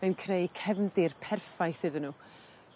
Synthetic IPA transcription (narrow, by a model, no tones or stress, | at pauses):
enkʰrejkʰɛvndɪrpʰɛrfajθɨːðənuː